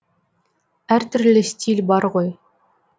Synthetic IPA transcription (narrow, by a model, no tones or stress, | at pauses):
æɾt̪ɵɾlɘstʲʰilʲbɑɾʁoj